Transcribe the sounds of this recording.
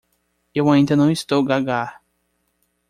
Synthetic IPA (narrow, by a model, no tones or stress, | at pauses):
ewaĩnd̪ɐnɐ̃w̃ist̪owɡaɡaɾ